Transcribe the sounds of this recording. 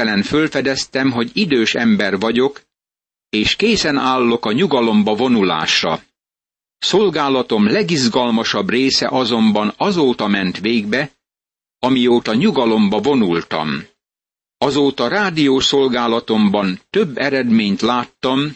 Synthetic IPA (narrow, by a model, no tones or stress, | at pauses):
ɛlɛnfølfɛd̪ɛst̪ɛmɦo̞ɟid̪øːʃɛmbɛrʋɒɟo̞k | eːʃkeːsɛnaːlːo̞kɒɲuɡɒlo̞mbɒvo̞nula̰ːʃrɒ̰ | so̞lɡaːlɒt̪o̞mlɛɡizɡɒlmɒʃɒbreːsɛ̰ʔɒzo̞mbɒnɒzoːt̪ɒmɛnt̪ʋeːɡbɛ | ɒmijoːt̪ɒɲuɡɒlo̞mbɒvo̞nult̪ɒ̰m | ɒzoːt̪ɒɾaːd̪ijoːso̞lɡaːlɒt̪o̞mbɒnt̪øbːɛɾɛd̪meːɲt̪laːt̪ːɒm